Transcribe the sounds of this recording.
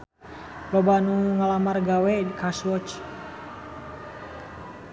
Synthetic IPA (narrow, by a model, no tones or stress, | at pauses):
babanuŋalamarɡawɛkaswɔt͡ʃ